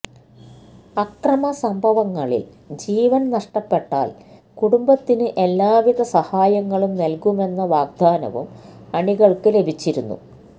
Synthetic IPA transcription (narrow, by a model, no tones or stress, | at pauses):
ɐkrɐmɐsɐmbʱɐʋɐŋːɐɭḭl | d͡ʑiːʋɐnnɐʂʈɐpːe̞ʈːa̰ːlkuɽumbɐt̪ːinɨʔe̞lːaːʋiðɐsɐhaːjɐŋːɐɭumnɐlkume̞nːɐʋaːɡ̚d̪ʱaːnɐ̰ʋṵmɐɳiɣɐɭkɨle̞bʱit͡ɕːiɾunːṵ